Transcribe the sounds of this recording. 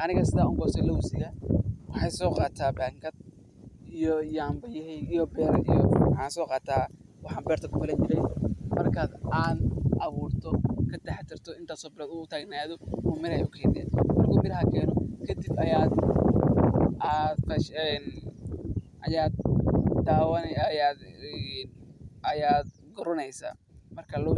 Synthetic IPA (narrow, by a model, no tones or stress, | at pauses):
ʔɐnɪɣɐsɪðaːʊŋɡɔsɛlɐwsɪɣɐwɑħɑjsɔːqɑːt̪ʰaːbaːŋɡɐd̪̚ | ijɔijambɐjɛhɛjijɔbɛːɾḭjɔ̰wħɑːnsɔːqɑːt̪ʰaː | wɑħɑːmbɛːrt̪ʰɐɡʊbɐlɐnt͡ʃɪɾɛjmɐrkʰaːd̪aːd̪ʔɐβuːrt̪ʰɔkʰɐt̪ɛħɛt̪ʰɪrt̪ʰɔɪnt̪ʰaːsɔːbɪlɐːd̪ʊʊt̪ʰaːɡnaːðɔuːmɪɾɐjʊkʰɛːnɛ̰ːnmɐrkʰɐmɪɾɦɐkʰɛːnɔkʰɐd̪ɪbɐjaːd̪ | ad̪fɐʃɛn | ʔɐjaːd̪̚d̪aːwɐnɛjaːd̪ɛnɐjaːd̪̚ | ɡʊɾɔnɛjsa̰ː | mɐrkʰɐlɔ